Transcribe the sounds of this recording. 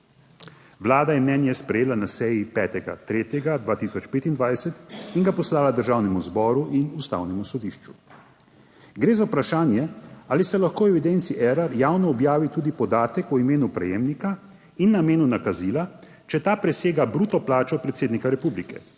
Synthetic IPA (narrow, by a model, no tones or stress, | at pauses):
ʋlaːd̪ajɛmnɛnjɛspɾɛjeːlanasɛjipɛːt̪ɛɡa̰t̪ɾeːt̪jɛɡad̪ʋaːt̪isɔt͡ʃpeːt̪ind̪ʋajsɛt̪iŋɡapɔslaːlad̪əɾʒaːwnɛmuzbɔːɾuʔinust̪a̰ːwnɛmusɔd̪iːʃt͡ʃu̥ | ɡɾeːzaupɾaʃaːnjɛaːlisɛlaxkoːwɛʋid̪ent̪siʔɛɾaɾjaːwnɔːbjaːʋit̪uːd̪ipɔd̪aːt̪ɛkɔimeːnupɾɛ̰jeːmnika | inːameːnunakaziːla | t͡ʃɛt̪aːpɾɛseːɡabɾuːt̪ɔplaːt͡ʃɔpɾɛt̪seːd̪nikaɾɛpublikɛ̰